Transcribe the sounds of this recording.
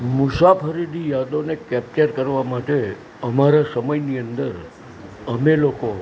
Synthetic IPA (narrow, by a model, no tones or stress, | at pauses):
mʊsapʰəɾid̪ʱijad̪onekɛp̚t͡ʃəɾkəɾʋamaʈe | əmaɾasəməjniə̃nd̪əɾ | əmeloko